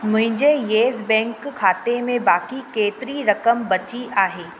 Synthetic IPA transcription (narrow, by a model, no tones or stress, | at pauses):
mʊ̃ɦɪ̃ɲd͡ʒejeːzbɛ̃ːŋkkʰːaːt̪emẽbaːkikeːt̪ɾiɾɐkəmbɐt͡ʃiʔaːɦeː